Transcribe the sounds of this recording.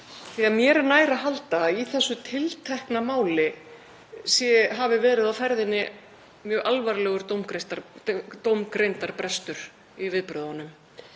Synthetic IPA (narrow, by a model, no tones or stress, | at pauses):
θiaðmjɛɾɛnaːjɾaɦalt̪aiθɛsːʏt̪ʰɪlt̪ʰɛhknamaːwlɪ | sjɛɦavɪvɛːɾɪðawfɛɾðɪnːɪ | mjœːɣʔalvaɾlɛːɣʏɾt̪owmkɾent̪at̪owmkɾejnt̪aɾ̥pɾɛst̪ʏɾ̥ | ivɪðpɾœːðanʏm